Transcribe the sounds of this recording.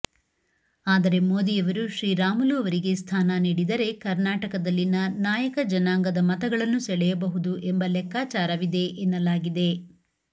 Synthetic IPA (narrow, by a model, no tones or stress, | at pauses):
aːd̪ɐɾe̞moːd̪ijɐʋɐɾuʃɾiːɾaːmuluːɐʋɐɾiɡe̞st̪ʰaːnɐniːɽid̪ɐɾe̞kɐɾnaːʈɐkɐd̪ɐlːinɐnaːjɐkɐd͡ʒɐnaːŋɡɐd̪ɐmɐt̪ɐɡɐɭɐnːusɛɭɛjɐbɐɦud̪uʔembɐlɛkːaːt͡ʃaːɾɐʋid̪e̞ʔenːɐlaːɡid̪e̞